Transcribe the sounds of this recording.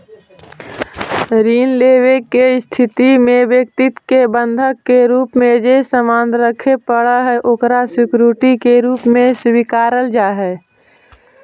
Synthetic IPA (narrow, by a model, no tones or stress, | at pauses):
ɾiːnleːwekeɪst̪ʰɪt̪imẽbjək̚t̪ɪt̪kebə̃nd̪ʱəkːeɾuːpmẽd͡ʒesəmaːnd̪ɾəkʰepəɽaɦɛʔoːkɾasɪkɾuːʈikeɾuːpmẽswikaːɾəld͡ʒaːɦɛː